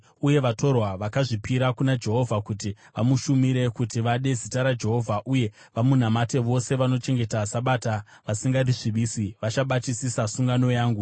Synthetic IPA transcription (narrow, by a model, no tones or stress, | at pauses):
uje̞ʋato̞rwaʋakaʐipiɾakunad͡ʒe̞ɦo̞vʱakuti | ʋamuʃumiɾe̞kutiʋaɗe̞zitaɾad͡ʒe̞ɦo̞vʱaʔuje̞ | ʋamun̤amate̞ʋo̞se̞ʋano̞t͡ʃe̞ŋɡe̞tasaɓata | ʋasiŋɡariʐiɓiːsiʋat͡ʃaɓatisisasuŋɡano̞jaːŋɡu